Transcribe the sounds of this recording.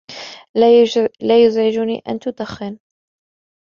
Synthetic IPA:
laːjʊzʕɪd͡ʒʊnḭːʔa̰nt̪ʊd̪axːɪn

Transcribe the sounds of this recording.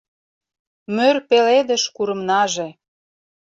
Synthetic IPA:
mørpeled̪ə̆ʃkuɾə̆mnɑʒe

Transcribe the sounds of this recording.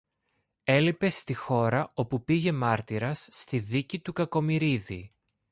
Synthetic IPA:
e̞lipe̞st̪ixo̞ɾɐo̞pupiʝe̞mɐɾt̪iɾɐsːt̪iðicit̪ukɐko̞miɾiðḭ

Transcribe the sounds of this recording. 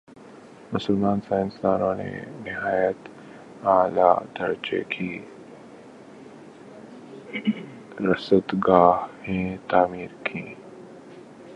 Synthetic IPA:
mʊsəlmaːnsãːɪ̃nst̪aːnõnḛnɪɦaːjət̪ | aːla̰d̪ɐɾt͡ʃḛkʰi | ɾɐsət̪ɡaːɦhẽt̪aːmiːɾkʰĩː

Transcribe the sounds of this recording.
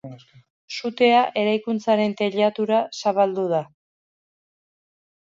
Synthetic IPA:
sut̪e̞aʔe̞ɾajkunt͡saɾe̞nt̪e̞ʎat̪uɾasaβald̪uð̞a

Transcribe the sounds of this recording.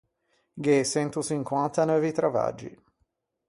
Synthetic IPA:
ɡesɛnt̪usiŋkwant̪anɔvit̪ɾava̰d͡ʒːḭ

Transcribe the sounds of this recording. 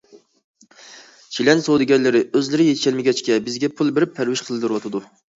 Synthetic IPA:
t͡ʃʰilɛnsowd̪ɪɡʲɛnlɪɾɪøzlɪɾɪjeʃʰɛlmɪɡʲɛt͡ʃkʲɛbɪzɡʲɛpʰulˠbɪɾɪpʰːæɾwɪʃqʰəlˠɨd̪ɨɾwɑt̪ʰɨd̪u

